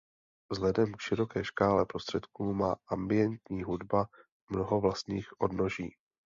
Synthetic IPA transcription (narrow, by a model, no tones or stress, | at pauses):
vzlɛdɛmkʃɪɾo̞kɛːʃkaːlɛpɾo̞st̪r̥ɛt̪kuːmaːʔambɪjɛnt̪ɲiːɦudba | mno̞ɦo̞vlast̪ɲiːxʔo̞dno̞ʒiː